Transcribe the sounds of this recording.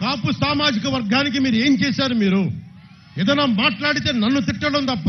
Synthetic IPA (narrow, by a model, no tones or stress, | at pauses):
kaːpusaːmaːd͡ʒikɐʋɐɾɡaːnik̬imiːɾue̞ːmt͡ʃɛːsaːɾumiːɾu | ɛd̪ɐnaːmaːʈlaːɽit̪e̞ːnɐnːut̪iʈːɐlɐnt̪ɐpːɐ